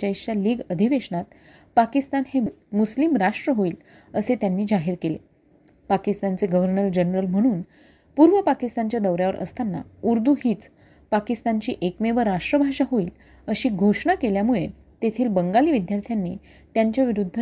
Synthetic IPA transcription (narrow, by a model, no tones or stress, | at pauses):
t͡ɕaiɕaliːɡəd̪ʱiʋeʂɳat̪ | pakist̪anhe | muslimɾaʂʈɾəɦoiːl | əset̪janːiːd͡zaɦiɾkele | pakist̪ant͡seɡəʋəɾnəɾd͡ʑənɾəlm̤əɽ̃uːn | puːɾʋəpakist̪ant͡ɕjad̪əwɾjaʋəɾʔə̰st̪ʰanːa̰uɾd̪uɦiːt͡s | pakist̪aɲt͡ɕiːʔekmeʋəɾːaʂʈɾəbʱaʂaɦoiːl | əɕiːɡʱoʂɳakeljamuɭe | t̪et̪ʰiːlbəŋɡaliːʋid̪jaɾt̪ʰjanːḭː | t̪jaɲt͡ɕjaʋiɾud̪ʱː